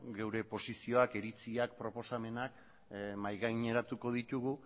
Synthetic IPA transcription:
ɡe̞wɾe̞po̞sisio̞ake̞ɾit͡siak̚pɾo̞po̞same̞nak | majɣajɲe̞ɾat̪uko̞ð̞it̪uɣu

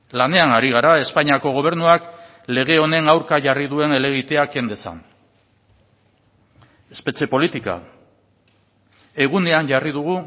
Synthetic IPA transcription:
lane̞anaɾiɣ̞aɾae̞spaɲiako̞ɣ̞o̞β̞e̞ɾnuak | le̞ɣ̞e̞o̞ne̞nawɾkaʝariðue̞ne̞le̞ɣ̞it̪e̞ake̞nd̪e̞sa̰n | e̞spe̞t͡ʃe̞po̞lit̪ika̰ | e̞ɣ̞une̞anʝarið̞uɣ̞u

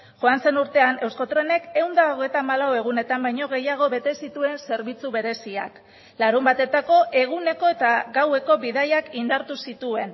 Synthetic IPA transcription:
ʝoanse̞nuɾt̪e̞ane̞wskot̪ɾe̞ne̞ke̞wnd̪aoɣe̞jt̪aːmalawe̞ɣ̞une̞t̪ambajɲo̞ɣ̞e̞jaɣ̞o̞βe̞t̪e̞sit̪ue̞nse̞ɾβit͡suβe̞ɾe̞sia̰k | laɾumbat̪e̞t̪ako̞ʔe̞ɣune̞ko̞e̞t̪aɣawe̞ko̞βiðajakind̪aɾt̪usit̪ue̞n

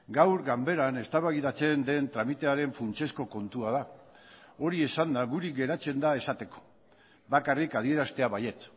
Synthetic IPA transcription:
ɡawɾɡambe̞ɾane̞st̪aβaɣiðat͡se̞nd̪e̞nt̪ɾamit̪e̞aɾe̞ɱfunt͡ʃe̞sko̞ko̞nt̪uaða | o̞ɾie̞sand̪aɣuɾiɡe̞ɾat͡se̞nd̪ae̞sat̪e̞ko̥ | bakarikað̞ie̞ɾast̪e̞aβaje̞t͡s

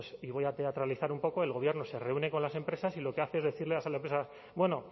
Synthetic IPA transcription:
siβo̞jat̪e̞at̪ɾaliθaɾumpo̞ko̞e̞lɣo̞βje̞ɾnose̞re̞une̞ko̞nlase̞mpɾe̞sasilo̞ke̞aθe̞ezðeθiɾleasalempɾesas | bwe̞no̞

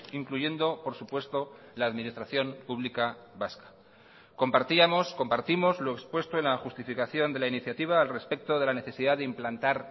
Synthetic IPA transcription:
iŋkluʝe̞nd̪o̞po̞ɾsupwe̞st̪o̞ | laːðmĩnist̪ɾaθjo̞mpuβ̞likaβaskḁ | ko̞mpaɾt̪iamo̞sko̞mpaɾt̪imo̞zlo̞ekspwe̞st̪o̞e̞nlaxust̪ifikaθjo̞nd̪e̞lainiθjat̪iβ̞aːlre̞spe̞k̚t̪o̞ð̞e̞lane̞θe̞siðaðeimplant̪aɾ

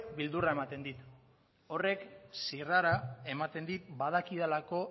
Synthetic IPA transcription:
bild̪urae̞mat̪e̞nd̪it̪ | o̞re̞ksiraɾae̞mat̪e̞nd̪it̪̚bað̞akiðelako̞

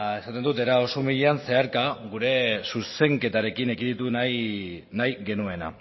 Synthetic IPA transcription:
e̞sat̪e̞nd̪ut̪e̞ɾao̞somiʎeanse̞aɾkaɡuɾe̞suse̞ŋke̞t̪aɾe̞kinekiit̪una | najɡe̞nue̞na̰

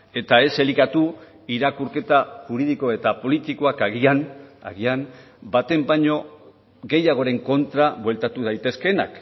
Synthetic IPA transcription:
e̞t̪ae̞se̞likat̪u | iɾakuɾke̞t̪aʝuɾiðiko̞e̞t̪apo̞lit̪iko̞akaɣiana̰ɣiam | bat̪e̞mbaɲo̞ | ɣe̞jaɣ̞o̞ɾe̞ŋko̞nt̪ɾaβwe̞lt̪at̪uð̞ajt̪e̞ske̞na̰k

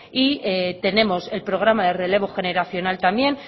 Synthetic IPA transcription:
iet̪e̞ne̞mo̞se̞lpɾo̞ɣ̞ɾamaðe̞re̞le̞βo̞xe̞ne̞ɾaθjo̞nalt̪amje̞n

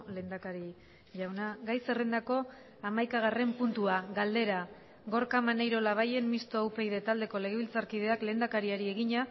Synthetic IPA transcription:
le̞nd̪akaɾi | ʝawnaɡajse̞re̞nd̪ako̞ | amajkaɣ̞are̞mpunt̪uaɣald̪e̞ɾa | ɣo̞ɾkamanejɾo̞laβ̞aje̞nmist̪oawpe̞jðe̞t̪ald̪e̞ko̞le̞ɣeβilt͡saɾkið̞e̞akle̞ːnd̪akaɾiaɾie̞ɣiɲa

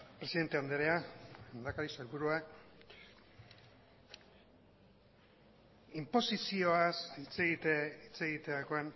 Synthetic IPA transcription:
pɾe̞siðe̞nt̪e̞and̪eɾeaand̪akaɾisaeɾβuɾua | impo̞sisio̞asit͡seɣit̪it͡se̞ɣit̪eako̞en

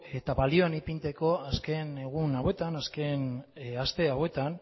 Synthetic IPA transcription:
e̞t̪aβalio̞anipint̪e̞ko̞aske̞neɣ̞unawe̞t̪anaske̞nast̪e̞awe̞t̪an

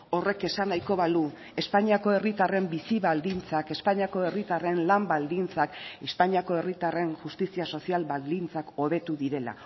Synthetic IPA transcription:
o̞re̞ke̞sanajko̞βalu | e̞spaɲiako̞e̞rit̪are̞mbisiβald̪int͡sake̞spaɲiako̞e̞rit̪are̞nlambald̪int͡sake̞spaɲiako̞e̞rit̪are̞nʝust̪isiaso̞sialbald̪int͡sako̞β̞e̞t̪uðiɾe̞la̰

